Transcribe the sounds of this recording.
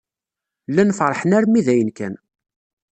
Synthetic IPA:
lːænfɾˤħənæɾmiðæjənkæ̰n

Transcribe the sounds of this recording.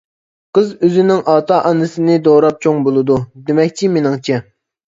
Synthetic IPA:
qəzøzɪnɪŋʔɑːt̪ɑːʔɑnɨsɨnɪd̪oɾɑp̚t͡ʃʰoŋbolˠɨd̪ud̪emɛkʲt͡ʃʰimenɪŋt͡ʃʰɛ

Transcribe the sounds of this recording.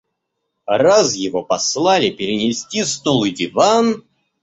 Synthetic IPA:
razjɪvopɐslˠalʲɪpʲɪɾʲɪnʲɪsʲtʲisnulˠɨdʲɪvan

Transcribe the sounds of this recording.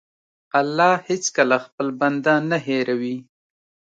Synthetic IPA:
alːɑhet͡skəlaxpəlband̪ɑnaɦeɾawi

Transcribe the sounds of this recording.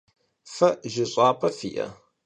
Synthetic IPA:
fɐʔʒɪɕʼaːpʰɐfḭːʔɐ̰

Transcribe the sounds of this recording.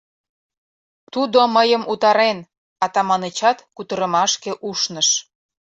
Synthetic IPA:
t̪ud̪oməjəmʔut̪ɑɾen | ɑt̪ɑmɑnet͡ɕɑt̪kut̪əɾə̆mɑʃkeʔuʃnəʃ

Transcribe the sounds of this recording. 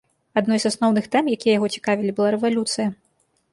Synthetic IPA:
ad̪nɔjzasnɔwnɨxt̪ɛmjakʲijɐjaɣɔt͡sʲi̥kavʲilʲibɨlˠaɾɛvalʲut̪sɨjɐ

